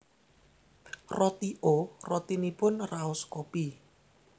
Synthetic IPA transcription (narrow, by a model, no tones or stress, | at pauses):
rɔt̪iʔorɔt̪inipʊnraʊskɔpi